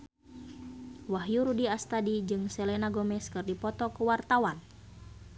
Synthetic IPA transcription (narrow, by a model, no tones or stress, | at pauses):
waɦjuɾudiast̪adid͡ʒɨŋsɛlɛnaɡɔmɛskɨrdipɔt̪ɔkuwart̪awan